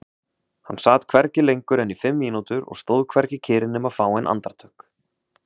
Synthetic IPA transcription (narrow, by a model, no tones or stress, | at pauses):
hanːsaːt̪kʰvɛɾcɪlejŋkʏɾɛnifɪmːiːnut̪ʏɾɔ̰ɣst̪oːwðkʰvɛɾcɪcʰɪːɾɪnːʏmaðfaːwɛnʔa̰nt̪aɾ̥t̪ʰœhk